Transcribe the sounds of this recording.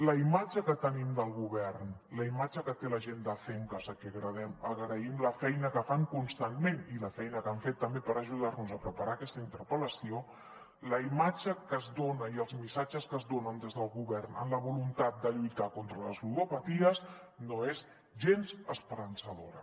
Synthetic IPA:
ləimad͡ʒəkət̪ənimd̪əlˠɣuβɛrnləimad͡ʒəkət̪eləʒend̪əfɛŋkəzəkɛɣɾəð̞ɛməɣɾəimləfɛjnəkəfaŋkunst̪anmeniləfɛjnəkaɱfet̪ːəmbepəɾəʒuð̞arnuzəpɾəpaɾaːkɛst̪əint̪əɾpələsio | ləimad͡ʒəkəzðonəiəlˠzmisad͡ʒəskəzðonənd̪ezðəlˠɣuβɛrna̰nləβulunt̪at̪̚d̪əʎujt̪akont̪ɾələzulupət̪iəz | noez | ʒenzəspəɾənsəðoɾə̰

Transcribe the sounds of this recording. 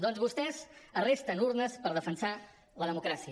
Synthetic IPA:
d̪ɔnzβust̪ɛzərest̪ənuɾnəspəɾðəfənsa | ləðəmukɾasiə

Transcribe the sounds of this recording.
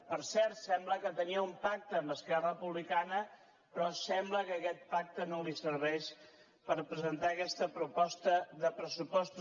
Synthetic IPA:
pəɾsɛɾt̪sɛmbləkət̪əniəumpak̚t̪əːmbəskɛrəəpuβlikanə | pɾɔsɛmbləkəːkɛt̪̚pak̚t̪ənolisəɾβɛʃ | pəɾpɾəzənt̪aəkɛst̪əpɾupɔst̪əðəpɾəsupɔst̪u

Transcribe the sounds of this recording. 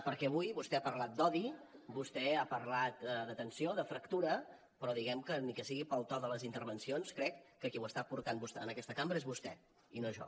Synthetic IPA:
pəɾkɛəβujβust̪ɛapərlat̪̚d̪ɔðibust̪ɛapəɾlat̪ðət̪ənsioðəfɾəkt̪uɾə | pɾɔðiɣɛmkənikəsiɣipəlˠt̪ɔðələzint̪əɾβənsionskɾɛkːəkiwəst̪apuɾt̪anbust̪ɛənəkɛst̪əkambɾəezβust̪ɛ̰ | inoʒɔ̰

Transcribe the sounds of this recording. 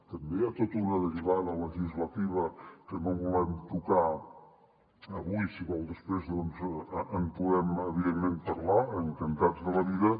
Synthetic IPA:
t̪əmbeat̪ot̪uɾəðəɾiβaðələʒizlət̪iβəkənoβulɛmt̪uka | əβujsiβɔlˠd̪əspɾezðɔnzəmpuðɛməβiðemːempəɾlaəŋt̪ənt̪ad͡zðəβəðiðə

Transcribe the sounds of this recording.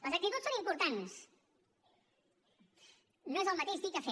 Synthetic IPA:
oseaket̪ot̪sonimpuɾt̪ans | nõezelˠmat̪eʒd̪ikafe

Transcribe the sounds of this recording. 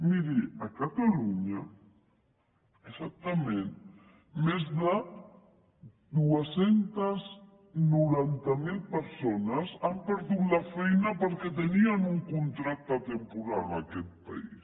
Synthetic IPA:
miɾiakat̪aluɲa | esak̚t̪amẽn | mezða | d̪uasent̪az | nuɾant̪amilpəɾsonasampəɾðut̪lafɛjnapəɾket̪̬enianuŋkunt̪ɾak̚t̪at̪empuɾalakɛt̪̚pa̰is

